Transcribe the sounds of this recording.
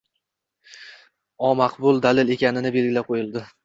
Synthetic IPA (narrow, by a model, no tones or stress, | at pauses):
ɒmaqbʊlˠd̪alɪle̞kʲʰanɪnɪbe̞lɡʲɪlaqʰojɪlˠd̪ɪ